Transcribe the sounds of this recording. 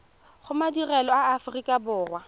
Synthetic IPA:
χʊmadirɛlɔaːfʊrikʼabʊːrwa

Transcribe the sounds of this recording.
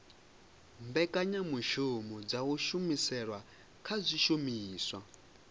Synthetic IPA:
mbɛkʼaɲamuʃumɔd͡zawuʃumisɛɺwa | kʰazʷiʃumiːswa

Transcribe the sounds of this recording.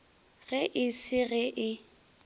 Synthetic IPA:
ɣɛʔɪsɪɣɛʔɪ

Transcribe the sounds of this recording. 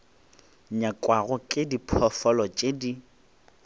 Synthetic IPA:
ɲakʼwaɣʊkʼɪdipʰɔfɔlɔt͡ʃʼedi

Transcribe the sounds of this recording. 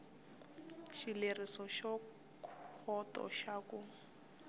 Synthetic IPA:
ʃilerisɔʃɔ | kʰɔtʼɔ̰ʃakʊ

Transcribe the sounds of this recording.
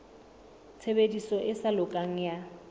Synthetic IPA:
t͡sʰebedisɔʔɪsalʊkʼaŋ̩ja

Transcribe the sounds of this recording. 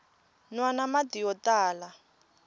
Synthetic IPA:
nwanamatijɔtaːla

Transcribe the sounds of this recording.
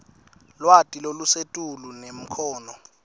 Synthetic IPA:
lwatʼilolusetʼulunem̩kʰɔːnɔ

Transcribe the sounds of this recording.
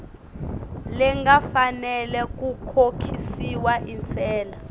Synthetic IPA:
lɛŋɡafanɛlɛk̬ukʰokʰisiwaʔint͡sʰɛːla

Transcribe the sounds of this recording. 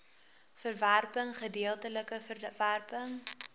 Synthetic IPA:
fərværpəŋχədiəlˠtələkəəværpəŋ

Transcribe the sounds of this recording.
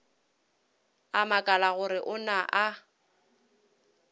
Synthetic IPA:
amakʼalaɣʊɾɪʔʊnaʔa

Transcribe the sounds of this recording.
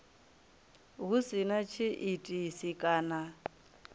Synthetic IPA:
ɦusinat͡ʃʰiʔitʼisikʼaːna

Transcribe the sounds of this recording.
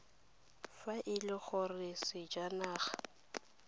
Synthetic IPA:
faʔɪlɪɣʊrɪsɪd͡ʒanaːχḁ

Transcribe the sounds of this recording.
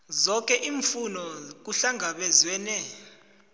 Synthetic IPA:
zɔk̬ʼɛʔiːɱfunɔk̬uɬaŋaɓɛzwɛnɛ

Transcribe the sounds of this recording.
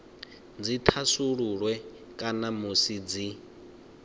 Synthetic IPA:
d͡zit̪ʰasuɺuɺwɛ | kʼanamusid͡zi

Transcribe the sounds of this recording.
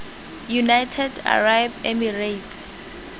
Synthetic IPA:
junajtʰɛda̰rajbɛmiret

